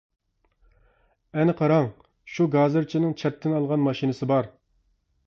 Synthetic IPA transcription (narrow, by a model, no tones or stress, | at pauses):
ɛnɨqʰɑɾɑŋ | ʃuɡɑzɨɾt͡ʃʰinɪŋt͡ʃʰɛp̚t̪ʰːɪnɑlˠʁɑnmɑʃinɨsɨbɑɾ